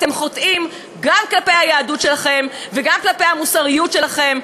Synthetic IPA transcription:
t̪e̞mχotʔim | ɡamklape̞jhajaːdutʃe̞laχe̞mveɡamklape̞jhamusaʁijutʃe̞laχe̞m

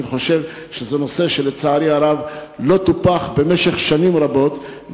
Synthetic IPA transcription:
iχo̞ʃe̞vʃezeno̞se̞ʃelet͡saːɾiaɾavlo̞t̪upaχbe̞meʃe̞χʃanimʁabo̞t̪

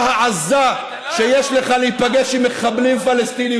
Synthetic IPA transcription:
haʕaza | ʃejeʃle̞χaliipaɡeʃimeχablimfalest̪ini

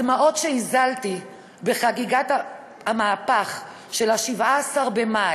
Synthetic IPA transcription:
maʔo̞tʃeizalt̪i | be̞χaɡiɡat̪ | hamaːpaχ | ʃelaʃivaːsaʁbe̞ma

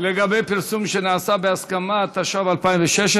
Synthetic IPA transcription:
leɡabejpiʁsumʃenaʕasabeaskamat̪aʃavalpajimveʃeʃ

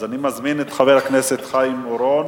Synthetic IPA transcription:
zanimazminet̪χaveʁakneset̪χajimoɾon

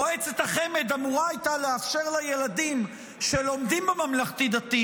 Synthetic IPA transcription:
oet͡set̪aχemed̪amuʁaajt̪aleafʃe̞ʁlajelad̪im | ʃelo̞md̪imbemamlaχt̪id̪ati

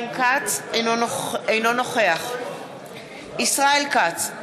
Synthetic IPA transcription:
mkat͡soejno̞noχeaχ | isʁaelkat͡s

